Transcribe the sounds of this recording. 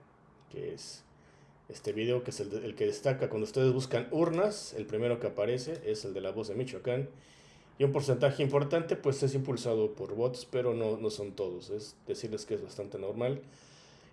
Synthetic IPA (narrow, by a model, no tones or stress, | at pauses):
kḛḛs | est̪e̞βiðeo̞keseleelke̞ðe̞st̪akakwand̪oust̪eðezβuskanuɾnase̞̰lpɾime̞ɾo̞ke̞apaɾe̞se̞ʔe̞se̞ld̪e̞laβo̞zðe̞mit͡ʃwakan | iumpo̞ɾse̞nt̪axe̞impo̞ɾt̪ant̪e̞pwe̞se̞s̬impulsað̞o̞po̞ɾβo̞t̪o̥spe̞ɾo̞no̞no̞so̞nt̪o̞ð̞o̞se̞zd̪e̞siɾle̞skee̞zβast̪ant̪e̞no̞ɾmal